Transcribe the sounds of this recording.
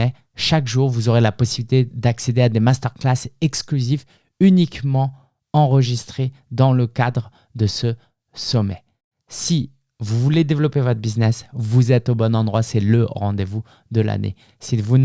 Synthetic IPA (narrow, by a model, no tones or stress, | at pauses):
ɛ | ʃakʒuʁvuzoʁelapɔsibilit̪ed̪aksed̪ead̪emast̪œʁklasɛksklyzif | ynikmɑ̃ | ɑ̃ʁəʒist̪χe | d̪ɑ̃ləkad̪ʁ | d̪əsə | sɔmɛ | si | vuvuled̪evlɔpevɔt̪χbiznɛsvuzɛt̪obɔnɑ̃d̪ʁwasɛləʁɑ̃d̪evu | d̪əla̰nʔḛ | sivun